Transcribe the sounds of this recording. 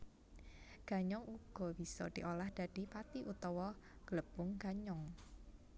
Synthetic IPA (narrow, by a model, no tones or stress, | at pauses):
ɡ̥a̤ɲɔŋuɡ̥ɔ̤b̥i̤sɔ̰d̪̥i̤ʔolahd̪̥ä̤d̪̥i̤pat̪iʔut̪ɔwɔ | ɡ̥ələb̥ʊŋɡ̥aɲɔŋ